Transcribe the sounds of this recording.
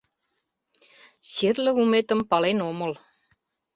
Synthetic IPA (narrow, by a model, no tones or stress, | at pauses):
ɕerlɘ̆umet̪ə̆mpɑlenomɤ̆l